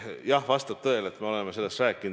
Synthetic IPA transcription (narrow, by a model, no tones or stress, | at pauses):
jɑhvɑst̪ɑb̥̚t̪ɤ̞elet̪me̞o̞le̞mese̞lːe̞st̪ræːkːˑin